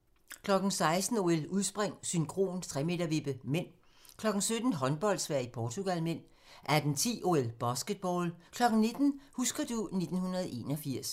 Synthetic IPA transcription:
kʰlɒ̽ɡ̥n̩sɑ̈ɪsd̥n̩o̝eluð̞ˠsb̥ʁeŋ̰synkʰʁo̝̰ːnt͡sʰʁɛme̝̰d̥ɐʋib̥əmen̰ | kʰlɒ̽ɡ̥n̩sød̥n̩ɦɒ̽nb̥ɒ̽l̰d̥sʋæɐ̰ipʰɒːt͡sʰuɡ̥ælmen̰ | ʔæɐd̥ent͡sʰḭːʔo̝elb̥ɒsɡ̥əd̥̚b̥ɒːlkʰlɒ̽ɡ̥n̩nːe̝d̥n̩husɡ̥ɐd̥une̝d̥n̩hunɐð̞̩ˠʔe̝̰ːnɒfiɐ̰s

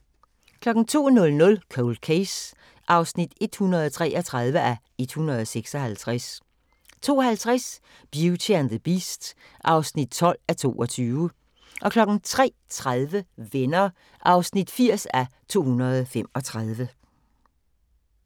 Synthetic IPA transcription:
kʰlɒ̽ɡ̥n̩t͡sʰo̝̰ːnɔ̽lnɔ̽lkʰoʊld̥kʰes | ʔɑ̈ʊsnid̥e̝d̥hunɐð̞ˠt͡sʰʁɛ̰ːʔɒt͡sʰʁɑ̈ðˠʋəʔæ | e̝d̥hunʁɐð̞ˠɒseɡ̥sɒhælt͡sʰʁas | t͡sʰo̝̰ːɒhælt͡sʰʁas | b̥jut͡sʰend̥əb̥isd̥ | ʔɑ̈ʊsnid̥̚t͡sʰɒ̽l̰æt͡sʰo̝̰ːɒ̽t͡sʰyːʊə | ʔɒ̽kʰlɒ̽ɡ̥n̩t͡sʰʁɛ̰ːt͡sʰʁaðˠʋəʋenɐ | ʔɑ̈ʊsnid̥fiɐ̰sæt͡sʰo̝̰ːhunɐð̞̩ˠfem̰ɒ̽t͡sʰʁɑð̞ˠʋə

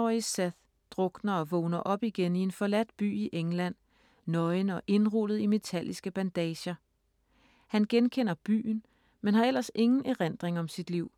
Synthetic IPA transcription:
isæð | d̥ʁɔ̽ɡ̥nɐɒ̽ʋɔʊnɐʔɒ̽b̥iɡ̥enie̝nfɒlæd̥̚b̥y̰ːiʔeŋlæn̰ | nɒ̽ɪnɒ̽ʔe̝nʁulð̩ˠime̝t͡sʰæl̰isɡ̥əb̥ænd̥ɛːɕɐ | hænɡ̥enkʰen̰ɐb̥y̰ːn | menhɑ̈el̰ɐse̝ŋn̩ʔæʁend̥ʁeŋɒ̽msid̥liʊ̰

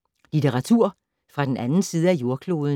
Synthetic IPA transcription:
lit͡sʰeʁɑ̈t͡sʰuɐ̰ | fʁɑ̈d̥enænn̩siːð̞ˠəæjo̝ɐkʰlo̝ːðˠn

